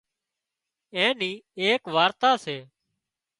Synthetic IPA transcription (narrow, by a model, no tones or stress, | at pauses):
ẽːniːeːkʋaːɾt̪aːseː